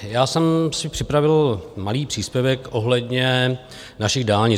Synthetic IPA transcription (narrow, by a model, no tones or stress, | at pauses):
jaːsɛmsɪpr̥ɪpɾavɪlmaliːpr̥iːspjɛvɛkʔo̞ɦlɛdɲɛ | naʃɪɣdaːlɲɪ